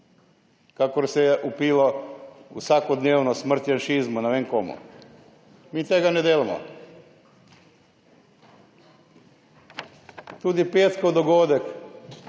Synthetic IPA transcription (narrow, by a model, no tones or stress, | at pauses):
kakoɾseʔupiloṵsʋakod̪neːʋnosmr̩t̪jenʃizmunaʋeŋkomṵ | miːt̪eɡaned̪eːlimo̰ | t̪ud̪ipeːt̪kod̪oɡod̪ek